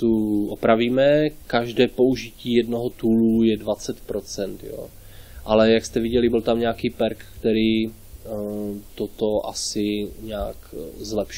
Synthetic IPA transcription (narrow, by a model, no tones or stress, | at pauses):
t̪uʔopɾaviːmɛkaʒdɛːpo̞uʒɪciːjɛdno̞ɦot̪uːlujɛdvat͡sɛt̪pɾo̞t͡sɛnt̪jo̰ː | ʔalɛjakst̪ɛvɪɟɛlɪbɪlt̪amɲaːkiːpɛɾkkt̪ɛɾiː | t̪ot̪o̞ʔasɪɲaakzlɛpʃ